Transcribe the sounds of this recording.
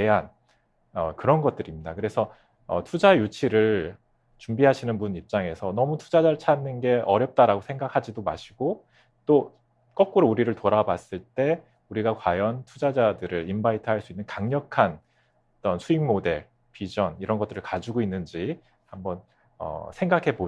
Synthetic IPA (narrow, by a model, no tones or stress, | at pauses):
e̞ɦan | ʌ̰kɯɾʌnɡʌt͈̚ɯɾimɲidakɯɾe̞sʰʌ | ʌ̰tʰud͡ʑajut͡ɕʰiɾɯɭ | t͡ɕumbiɦaɕʰinɯnbunip̚t͡ɕ͈aŋe̞sʰʌnʌmutʰu̥d͡ʑad͡ʑaɾɯɭt͡ɕʰanːɯnɡe̞ʔʌɾjʌp̚t͈aɾaɡosʰe̞ŋɡakʰad͡ʑidomaɕʰiɡ̥o | t͈o | k͈ʌk̚k͈uɾouɾiɾɯɭtoɾabas͈ɯɭt͈e̞ | uɾiɡakwajʌntʰud͡ʑad͡ʑadɯɾɯɾimbaitʰɯɦaɭs͈uinːɯnkaŋɲʌkʰan | t͈ʌnsʰuiŋmode̞ | pid͡ʑʌniɾʌnɡʌt͈ɯɾɯɭkad͡ʑuɡoinːɯnd͡ʑi | hambʌn | ʌ̰sʰe̞ŋɡakʰe̞bo